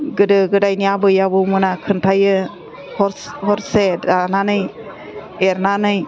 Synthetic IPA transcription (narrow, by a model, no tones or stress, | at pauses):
ɡɯdɯɡɯdajnijabɯjabɯmɯnakʰɯntʰajɯ | hɔɾhɔɾseananɯj | eɾnanɯj